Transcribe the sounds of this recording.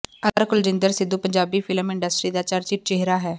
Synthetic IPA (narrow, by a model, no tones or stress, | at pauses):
əɾkʊld͡ʒɪ̃nd̪əɾsɪd̪uːpəɲd͡ʒaːbiːpʰɪləmɪ̃ɳɖəsʈɾiːd̪aːt͡ʃəɾt͡ʃɪʈ̚t͡ʃeɦɾaːɦɛː